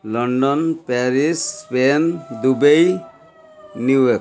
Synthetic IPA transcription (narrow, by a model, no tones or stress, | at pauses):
lɔɳɖɔnpɛɾisːpend̪ubej | nujɔk